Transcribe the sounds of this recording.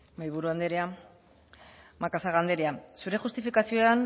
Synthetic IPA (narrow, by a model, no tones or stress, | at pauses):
majβuɾuand̪e̞ɾea | makasaɣand̪e̞ɾeasuɾe̞xust̪ifikasioean